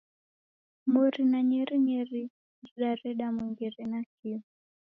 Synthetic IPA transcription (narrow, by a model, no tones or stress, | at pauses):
mɔɾinaɲɛɾiɲɛɾi | d͡ʒiɗaɾɛɗamuŋɡɛɾɛnak̚i